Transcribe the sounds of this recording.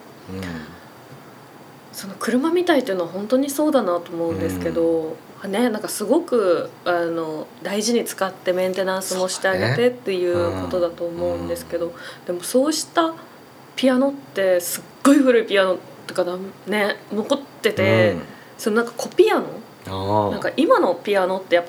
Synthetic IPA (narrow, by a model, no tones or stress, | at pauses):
so̞no̞kɯ̟ɾɯ̟mamʲit̪ait̪ːiɯnoaɦõ̞nt̪o̞ɲ̟iso̞ːd̪anat̪o̞ːmo̞ɯ̟̃nd̪e̞sɨ̥ke̞d̪o̞ | ane̞nãŋkasɨɡo̞kɯ̟ano̞d̪aiʑiɲ̟it͡sɨ̥kat̪ːe̞mẽ̞nt̪e̞nãɰ̃sɨmo̞ɕi̥t̪e̞aɡe̞t̪e̞t̪ːe̞jɯ̟ːko̞t̪o̞d̪at̪o̞ːmo̞ɯ̟̃nd̪e̞sɨ̥ke̞d̪o̞d̪e̞mo̞so̞ːɕi̥t̪a | pʲiano̞t̪ːe̞sɨɡ̥ːo̞iɸɯ̟ɾɯ̟ipʲiano̞t̪ːekanane̞no̞kot̪ːe̞t̪e̞ | sononãŋkḁko̞pʲiano̞̰ | nãŋkaʔimano̞pʲiano̞t̪ːe̞japːa